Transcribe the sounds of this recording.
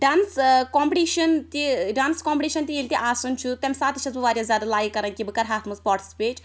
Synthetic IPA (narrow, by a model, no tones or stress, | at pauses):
ɖaːnskɔːmpʈiːʃɐnt̪iɖaːnskoːmpʈiːʃɐnt̪ielʲt̪iʔaːsunt͡ʃʰut̪ɛmʲsaːt̪iʃʰɐzbɨʋaːɾʲjãzʲjaːd̪alaːjikɐɾɐnkʲibɨkɐɾɦaːt̪ʰmɐspaːɾʈi̥si̥peːt͡ʃ